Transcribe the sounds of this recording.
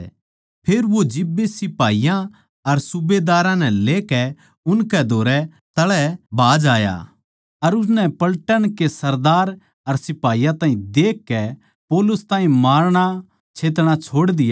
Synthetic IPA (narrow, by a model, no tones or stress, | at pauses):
pʰeːɾʋod͡ʒɪbːesɪpaːijã | ɐɾsʊbed̪aːɾãnɛleːkɛ | ʊnkɛd̪ʱoːɾɛ | t̪ɐɭɛbaːd͡ʒaːja̰ː | ɐɾʊs̬nɛpɐlʈənkesɐɾd̪aːɾ | ɐɾsɪpaːijãt̪ãːɦĩd̪eːkːɛ | pɔːlʊst̪aːɦĩmaːɾɽ̃a | t͡ʃʰeːt̪̬ɽ̃at͡ʃʰoːɽd̪ɪja